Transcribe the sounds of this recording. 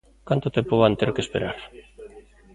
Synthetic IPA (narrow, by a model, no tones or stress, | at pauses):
kant̪ot̪empoβant̪eɾkespeɾaɾ